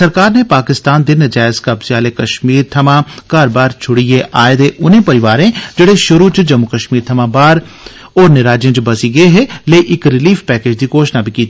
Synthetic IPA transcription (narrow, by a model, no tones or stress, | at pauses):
səɾkaːɾneːpaːkɪst̪aːnd̪eːnəd͡ʒaːɪskəbsjaːleːkəʃmiːɾt̪ʰəmãːkaːɾbaːɾt͡ʃʰʊɽijeʔʔaːed̪eːʔʊnẽːpəɾɪʋaːɾẽːd͡ʒeːɽeːʃʊɾuːt͡ʃd͡ʒəmːʊkəʃmiːɾt̪ʰəmãːbaːɾ | ɔːɾnɪɾaːd͡ʒjẽːt͡ʃbɐsiːɡəeɦɛːleːʔɪkɾɪliːfpɛːkeːd͡ʒd̪iːkoːʃnaːbʱiːkiːt̪i